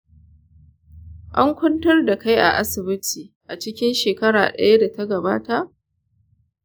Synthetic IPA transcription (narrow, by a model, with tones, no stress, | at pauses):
ʔa˦ŋkʷʊ˦ntɐ˦rda˨ka˦jʔa̰˨ʔa˦sɪ˨bɪ˦tʰiː˨ | ʔa˨t͡ʃɪ˦kʲɪ˦nʃeː˨kɐ˦ɽa̰ː˨ɗɐ̰˦ja˦da˨ta˦ɡɐ˨baː˦ta˦ʔ